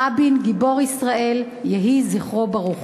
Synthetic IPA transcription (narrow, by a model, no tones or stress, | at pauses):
abinɡibo̞ʁisʁae̞l | jeɦiziχʁobaʁuχ